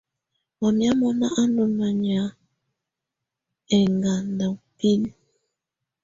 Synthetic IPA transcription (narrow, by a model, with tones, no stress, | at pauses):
mɔ˨mja˦mɔ˦na˦ʔa˦no˨na˨ɲ˨a˨˦ | ɛ˨ŋɡa˨nda˨pi˦n˦